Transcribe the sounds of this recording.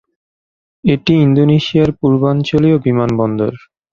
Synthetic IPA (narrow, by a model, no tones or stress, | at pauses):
eʈiind̪oniʃiaɾpuɾbant͡ɕoliobimanbɔnd̪oɾ